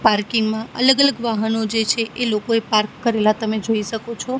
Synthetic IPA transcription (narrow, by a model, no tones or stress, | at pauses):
paɾkiŋɡmãə̰ləɡələɡʋaɦənod͡ʒet͡ʃʰeʔelokoepaɾkːəɾelat̪əmed͡ʒoiʃəkot͡ʃʰɔ